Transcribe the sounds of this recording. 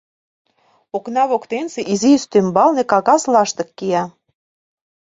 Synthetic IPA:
oknɑβokt̪enseʔizist̪ømbɑlnekɑɣɑslɑʃt̪ɤ̆kːiɑ

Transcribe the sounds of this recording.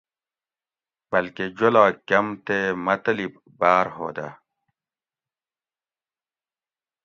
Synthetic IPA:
b̥ɐlked͡ʑolaːkɐmt̪emɐt̪lib | baːɾɦo̰ːd̪a̰ː

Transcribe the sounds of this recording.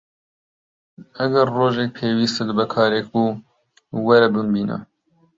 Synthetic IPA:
ɐɡɐɾːoːʒek̚pʰeːwiːst̪ɨlbɛkʰɑːɾeːk̚uː | wɛɾɛbɨmbiːnɐ̰

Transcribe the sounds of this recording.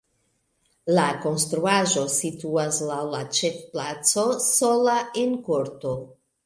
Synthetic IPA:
lako̞nstɾuaʒo̞situaslawlat͡ʃefplat͡so̞so̞laenkoɾto̞

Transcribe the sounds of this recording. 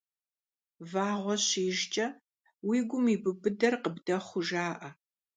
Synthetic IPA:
vaːʁʷɔɕiːʒt͡ʃʼɐ | wiːɡʷʊmiːbɨbɨdɐrqəbdɐχʷʊʒaːʔɐ

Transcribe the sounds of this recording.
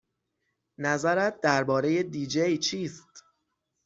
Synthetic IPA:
næzæɾæt̪̚d̪æɾbɒːɾeje̞d̪iːd͡ʒejt͡ʃʰiːst̪

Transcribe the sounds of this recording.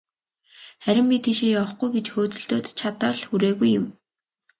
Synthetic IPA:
χæɾʲɪ̆mpʲit̪ʰiːʃeːjawə̆χɡujɡet͡ɕxoːt͡sɵ̆ɬt̪oːt̪t͡ɕʰat̪əːɮxuɾeːɣujːʊ̆m

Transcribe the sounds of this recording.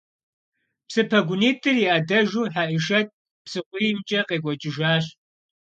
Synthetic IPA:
psɨpʰɐɡʷʊniːtʰʼɨriʔɐdɐʒuːħaʔɪʃɐt̚ʼ | psɨqʷiːmt͡ʃʼɐqʼeːkʷʼɔt͡ʃʼɪʒaːɕ

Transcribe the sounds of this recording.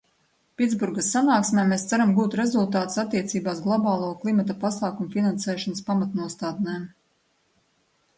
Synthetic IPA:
pʲitd̪zbuɾɡasːanaːksmʲɛmeːst̪saɾamɡuːt̪ɾe̞zulˠt̪aːt̪u̥sat̪ːiɛt̪siːbaːzɡlˠɔbaːlˠuːklˠimat̪̬apasaːkumufinansɛːʃɔnaspamat̪nuɔst̪aːd̪nɛːm

